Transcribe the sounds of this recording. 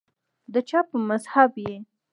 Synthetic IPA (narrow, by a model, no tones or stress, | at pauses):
d̪ət͡ʃɑpəmazhabje